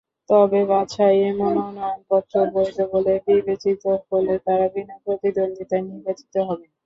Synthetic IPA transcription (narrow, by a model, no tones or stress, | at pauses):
t̪ɔbebat͡ɕʰajemononɔjonpɔt̪ːɾoɾboed͡ʑ̪obolebibet͡ɕit̪obolet̪aɾabinopɾot̪id̪ond̪it̪ajniɾbat͡ɕi̥t̪oɦɔbe